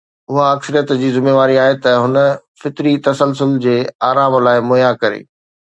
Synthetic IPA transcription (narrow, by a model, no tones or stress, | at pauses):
ʊɦaɐksəɾijət̪d͡ʑiːzɪmeːʋaːɾiaːɦet̪ɐɦʊnə̆fɪt̪ɾit̪ɐsəlsʊld͡ʑeːaːɾaːmlaːɪmʊːjakɐɾḛː